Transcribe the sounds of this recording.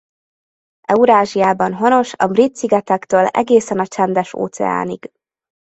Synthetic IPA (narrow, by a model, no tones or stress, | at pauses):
ɛuɾaːʒijaːbɒnɦono̞ʃɒ̰brit̪siɡɛt̪ɛkt̪øːlɛ̰ɡeːsɛnɒt͡ʃɛnd̪ɛʃo̰ːt̪sɛ̰a̰ːniɡ̥